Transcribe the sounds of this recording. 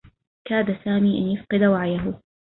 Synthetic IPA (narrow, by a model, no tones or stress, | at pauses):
kaːd̪asaːmiːʔanjʊfqɨd̪awaʕjaɦʊ